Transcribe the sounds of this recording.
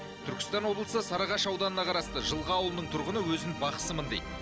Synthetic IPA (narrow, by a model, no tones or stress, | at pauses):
t̪ʰʏɾkʲɪ̥st̪ɑnwoblˠəsəsɑɾɑʁɑʃɑwd̪ɑnənɑqʰɑɾɑst̪əʒəlˠʁəɑwlˠənəɴt̪ʰʊɾʁənəwɵzɪnbɑqə̥səmənd̪ejt̪